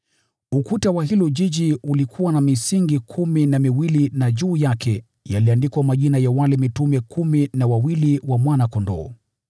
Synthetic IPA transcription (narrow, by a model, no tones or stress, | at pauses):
ukutawaɦilɔʄiʄiulikʰuwanamisiŋɡikʰuminamiwilinaʄuːjakʰɛ | jaliandikwamaʄinajawalɛmitumɛkʰuminawawiliwamwanakɔndɔ̰ː